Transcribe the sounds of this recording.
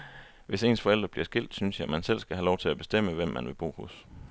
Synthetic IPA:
ʋe̝se̝ːnsfɒel̰d̥ʁɐb̥liɐsɡ̥e̝l̰d̥synsjɑ̈ɪmænsel̰sɡ̥æɦælɒʊt͡sʰe̝læb̥e̝sd̥em̰əʋem̰ːænʋe̝b̥ʁṵːhɔs

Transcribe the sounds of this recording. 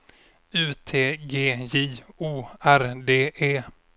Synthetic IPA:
ʉ̟ːt̪ʰeːɡeːjiːuːæɾd̪eːʔeː

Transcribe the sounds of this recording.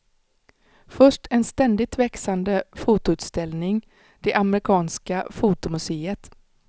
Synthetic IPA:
fœʂʈʰɛnst̪ɛnd̪ɪt̪vɛksand̪əfuːt̪ʊʉ̟ːt̪st̪ɛlnɪŋ | d̪̥ɛʔamɾɪkʰɑːnskafuːt̪ʊmɵseːət̪

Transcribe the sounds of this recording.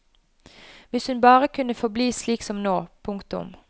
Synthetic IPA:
ʋɪshʉnbɑːʁəkʰʉnəfɔbliːsliːksɔmnoːpʰʊŋkt̪ʊ̰m

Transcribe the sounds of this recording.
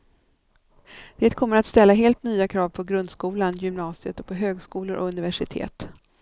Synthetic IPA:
d̪̥eːt̪̚kʰɔmːəɾat̪st̪ɛlːaɦeːlt̪nyːakʰɾɑːvpʰɔɡɾɵnd̪skuːlanjʏmnɑːsɪət̪ɔpʰɔɦøːɡskuːlʊɾʔɔ̰ɵnɪvæʂɪt̪ʰḛːt̪

